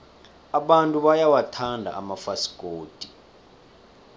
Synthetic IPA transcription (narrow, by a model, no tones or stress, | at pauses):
aɓantʼuɓajawatʰandʱa̰ʔamafasi̥ɡ̥ʱʼoːd̥ʱi̥